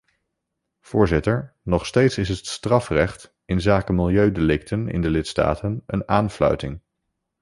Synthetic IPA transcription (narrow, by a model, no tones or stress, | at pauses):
v̥ʊːɹzɪtəɹnɔχstejtsɪsətstrɑfrɛχt | ɪnzaːkəmɪlˠjøɥdelɪk̚tʰənɪ̰ndəlɪtsta̰ːtənə̰naːnflœ̰ɥtɪŋ